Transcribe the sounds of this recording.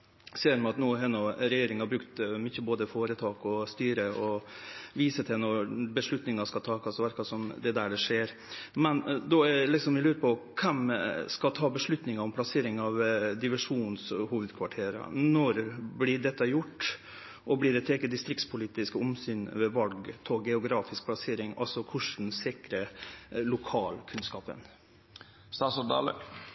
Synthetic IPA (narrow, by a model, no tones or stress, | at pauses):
seːɾmɑt̪nuːɦɛnːɔɾɛjeːɾɪŋnhɑɾbɾʉkt̪mʏçːəboːd̪əfoːɾət̪ʰɑːkɔst̪yːɾəɔʋiːsət̪ʰɪnɔbəʂɭʉt̪nɪŋɑʂkɑt̪ʰɑːkʰɑsʋæɾkɑsɔmd̪ɛd̪æɖɛʂeːɾ | mɛnd̪ɔɛlɪksɔmɪlʉːɾəpʰɔkʰɛmskɑt̪ʰɑːbəʂɭʉt̪nɪŋɑɔmpʰlɑseːɾɪŋɑʋd̪ɪʋɛʂuːnshuːʋəd̪kʰʋɑʈʰeːɾɑ̰nɔɾblɪɖɛt̪ːəjʊʈː | ʔɔblɪɖɛt̪ʰeːkəd̪ɪst̪ɾɪkt̪spʰʊliːt̪ɪskəʊmsyːnʋɛʋɑlɡt̪ʰɔɡɛʊɡɾɑːfɪsk̚pʰlɑseːɾɪŋʔɑ̰lsɔkʰʊʂd̪ɛnsɪkɾəlʊkʰɑːlkʰʉnskɑːpə̰n | st̪ɑːsɔd̪ɑ̰lə̰